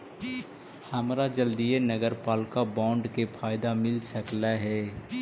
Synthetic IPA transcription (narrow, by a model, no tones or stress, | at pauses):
həmɾad͡ʒəld̪ijenəɡəɾpaːlkabɔ̃ːɳɖkepʰaːɪd̪amɪlsəklaɦɛː